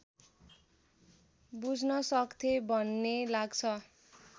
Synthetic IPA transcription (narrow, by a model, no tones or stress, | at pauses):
bud͡znʌsʌkt̪ʰebʱʌnːelaɡt͡sʰʌ